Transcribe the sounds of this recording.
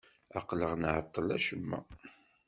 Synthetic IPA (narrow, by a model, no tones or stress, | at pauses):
ɑqləʁnʕət̪ˤːəlæʃəmːæ̰